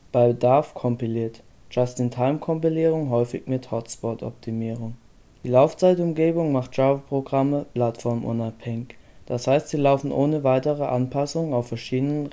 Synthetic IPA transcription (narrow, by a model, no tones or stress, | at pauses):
b̥aɪbədaɐfkʰɔmpiliːɐt | d͡ʒ̥astɪntʰaɪmkʰɔmpiliːʁ̞ʊŋɦɔʏfɪ̰çmɪthɔtspɔtɔ̰p̚tʰimiːʁʊŋ | d̥iːlaʊft͡saɪtʊmɡeːbʊŋmaχt̚ʒ̥aːbɐpʁ̥oɡʁaməpl̥atfɔɐmʔʊ̰naphɛŋɪçd̥ashaɪstz̥iːlaʊfn̩ʔoːnəvaɪtəʁəʔanpʰasʊŋənaʊfːɛɐʃiːdənən